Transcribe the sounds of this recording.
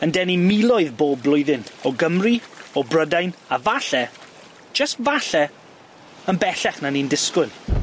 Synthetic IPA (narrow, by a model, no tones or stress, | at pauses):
əndɛnimilˠɔɨðboːblˠʊɨðɪnɔɡəmriɔbrədajnavaɬɛ̥ | d͡ʒəstvaɬɛ | ənbɛɬɛχnanindɪskʊn